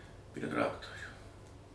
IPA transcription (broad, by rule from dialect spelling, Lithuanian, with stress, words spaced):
pʲrʲiɛ ˈtrɑːktoːrʲuː